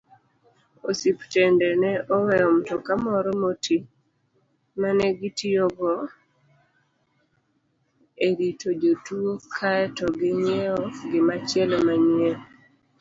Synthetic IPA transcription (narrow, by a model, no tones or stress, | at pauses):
osiptɛndɛnɛʔɔwɛɔmtɔkamɔɾɔmoti | manɛɡɪtioɡɔ | eɾitod͡ʒotuokʰaɛtɔɡɪɲɛɔɡɪmat͡ʃjɛlɔmaɲe